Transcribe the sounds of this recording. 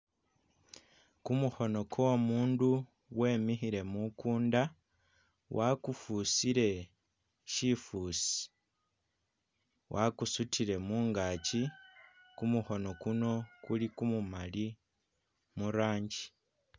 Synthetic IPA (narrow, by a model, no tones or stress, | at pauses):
kumuxo̞no̞kʰoomuːndu | we̞ːmixiɾe̞mukuːnda | wʔakufusiɾe̞ | ʃifuːsi̥ | wʔakusutʰile̞muːŋɡaci | kumuxo̞no̞kuno̞kulikumumali | muɾaːɲɟi̥